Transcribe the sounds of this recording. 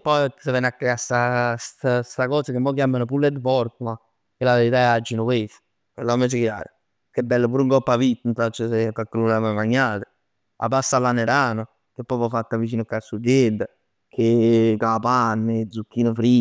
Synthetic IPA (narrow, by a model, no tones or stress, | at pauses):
pːɔj̪sevɛnakːeast̪ast̪ast̪akɔːsakemːɔk̟jaːmanopulːet̪fɔɾkoma | kelːaʋeɾit̪aɛad͡ʒːinokwes | kelːamːɛt͡ʃekja̰ːɾo | kebːɛlːəpuːɾuŋkɔpːavit̪ːnt̪at͡ʃːəsekːakːelunamamaɲːaːt̪e̥ | a̰basːalːaneɾaːno | kepːɔpɔfat̪ːavit͡ʃiːnokasːud̪jed̪a | kʰekapanːed̪zukːiːnofɾi